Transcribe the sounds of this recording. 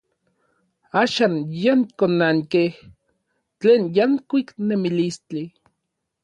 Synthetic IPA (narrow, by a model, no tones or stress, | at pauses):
aːʃaːnjaŋkonaŋkeh | t͡ɬeːnjaŋkʷiknemilist͡ɬi